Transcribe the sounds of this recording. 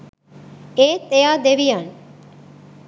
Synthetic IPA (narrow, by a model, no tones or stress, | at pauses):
eːt̪ejaːd̪eʋijan